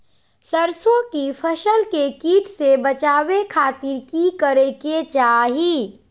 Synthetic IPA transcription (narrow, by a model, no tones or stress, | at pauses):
səɾsõkipʰəʃəlkekiːʈʰsebət͡ʃaːʋekʰaːt̪iɾkikəɾeket͡ʃaɦi